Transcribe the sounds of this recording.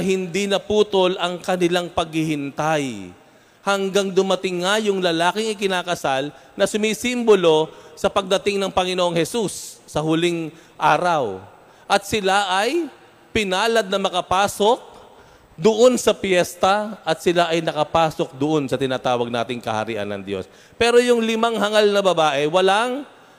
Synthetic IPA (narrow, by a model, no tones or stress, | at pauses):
hɪnd̪inɐpuːt̪o̞lɐŋkɐnɪlaŋpɐɡ̚hɪhɪnt̪aj | hɐŋɡaŋd̪ʊmɐt̪ɪŋːɐjʊŋlɐlaːkɪŋɪkɪnaːkɐsal | nɐsʊmisimbolo̞sɐpɐɡ̚d̪ɐt̪ɪŋnɐŋpɐŋɪnoʔoŋhɛsusːɐɦʊliŋ | ʔaːɾɐw | ʔɐt̪̚sɪlaʔɐj | pɪnaːlɐd̪̚nɐmɐkɐpaːsok̚ | d̪oʔo̞nsɐpjɛst̪ɐʔɐt̪sɪlaʔɐjnɐkɐpaːso̞k̚d̪oʔo̞nsɐt̪ɪnaːt̪aːwɐɡ̚na̰ːt̪ɪŋkɐ̰hɐ̰ɾḭʔɐ̰nːɐ̰ŋd̪jo̰s | pɛːɾo̞jʊŋlɪmaŋhɐŋalnɐbɐbaːʔɛwɐlaŋ